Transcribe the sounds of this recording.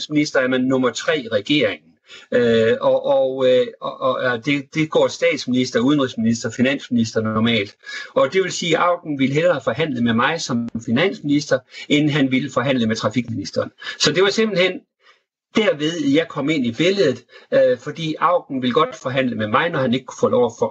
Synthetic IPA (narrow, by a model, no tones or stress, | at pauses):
sminisd̥ɐæmænːɔ̽mɐt͡sʰʁɛ̰ːʁɛɡ̥e̝̰ːɐ̰eŋn̩øɒʔɒ | d̥e̝d̥e̝ɡ̥ɒ̰ːsd̥ɛ̰ːd̥sminisd̥ɐuðˠənʁisminisd̥ɐfinæn̰sminis̬d̥ɐnɒmɛ̰ːld̥ɒ̽d̥e̝ʋe̝lsiːʔɑ̈ʊ̰ɡ̥n̩ʋilɦelɐːfɒ̽hæn̰ləmemɑ̈ɪsɒ̽mmfinæn̰sminisd̥ɐen̩ɦænʋiləfɒ̽ɦæn̰ləmet͡sʰʁɑ̈fiɡ̥minisd̥ɐːnsɒ̽d̥e̝ʋɑ̈se̝mb̥l̩hen̰ | d̥æɐ̰ʋe̝ð̞ˠjɑ̈ɪkʰɒ̽me̝n̰ib̥e̝ləð̩ˠøfɒ̽d̥ḭːɑ̈ʊ̰ɡ̥n̩ʋiləɡ̥ɒ̽d̥fɒ̽ɦæn̰ləmemɑ̈ɪnɒhæne̝ɡ̥̚kʰu̥fɔlɒʊ̰ɐfɒ̽